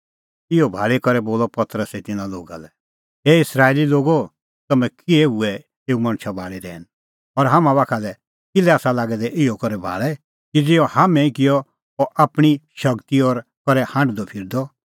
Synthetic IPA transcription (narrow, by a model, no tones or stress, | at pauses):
ɪɔbʱaːɭekɔɾɛboːlɔpɐt̪ɾəsɛt̪ɪnãloːɡa̰lɛ | eːɪsɾaːeliloːɡo | t̪ɐmɛ̃kɪɛɦʊɛ | eːumɐ̃ñt͡ʃʰabʱaːɭeɾɛ̰ːn | ɔɾɦaːmãβaːkʰalɛ | ɪlɛaːsalaːɡɛd̪ɛʔɪɔkɐɾɛbʱa̰ːɭɛ | kid͡zɪɔ̃haːmɛ̃ĩkɪjɔ | ɔʔaːpɽ̃iʃɐɡt̪iɔːɾkɔɾɛhãːɳɖd̪ɔpʰɪɾd̪ɔ